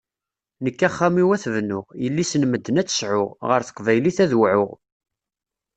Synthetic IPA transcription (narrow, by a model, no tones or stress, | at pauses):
nəkːæχːæmiwæθvnʊʁjəlːisənməd̪ːənæt͡sːə̥sʕʊʁʁəɾθə̥qvæjliθæðwʕʊ̰ʁ